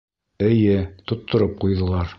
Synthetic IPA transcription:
ɘ̆jɘt̪ŏt̪ːŏɾɤp̚qujðŏlˠɑɾ

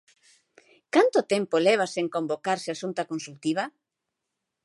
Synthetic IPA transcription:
kant̪ot̪ɛmpolɛβ̞aseŋkõmbokaɾsɪasunt̪akonsult̪iβ̞ɐ

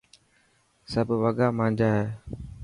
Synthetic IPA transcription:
səbʋəɠaːmãːɲd͡ʒaːɦeː

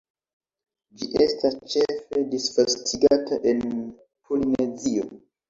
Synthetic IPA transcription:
d͡ʒiʔe̞stast͡ʃe̞fe̞disfastʰiɡataʔe̞n | pʰolinezio̞

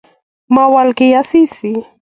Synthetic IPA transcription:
mawalkɪjasɪsɪ

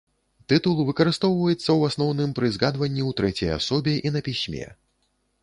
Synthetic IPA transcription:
t̪ɨt̪ulˠvɨkɐɾɨst̪ɔwvɐjɛt̪sːɐwasnɔwnɨmpɾɨzɣad̪vɐnʲːiwt̪ɾɛt͡sʲɐ̰ja̰sɔbʲɛʔinɐpʲisʲmʲɛ̰

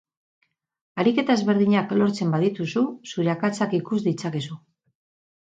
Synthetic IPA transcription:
aɾike̞t̪ae̞zβe̞ɾð̞iɲaklo̞ɾt͡se̞mbaðit̪ususuɾeakat͡sakikuzd̪it͡sake̞su

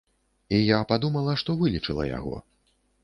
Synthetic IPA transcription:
ijapad̪umɐlˠɐʂt̪ɔvɨlʲit͡ʂɨlˠɐ̰ja̰ɣɔ̰

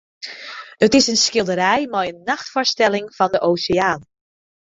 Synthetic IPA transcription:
ətɪsənsxɪlˠdəɾɛjmɛjənːɑxtfɔɹstɛlɪŋv̥ɑndəʔowsɪaːn

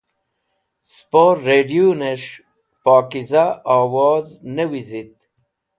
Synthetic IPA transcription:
spoɾːeːɖiuneʂ | paːkizaaːwaːznewizit̪̚

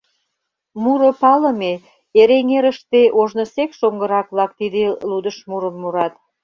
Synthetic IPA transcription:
muɾopɑləme | eɾeŋeɾəʃt̪eʔoʒnosekʃoŋɡəɾɑkβlɑkt̪id̪elud̪əʃmuɾəmːuɾɑt̪̚

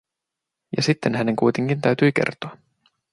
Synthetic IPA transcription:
jɑ̰sit̪ːenɦæne̞ŋkujt̪eŋk̟int̪æɥt̪yjk̟e̞̰rt̪oɑ

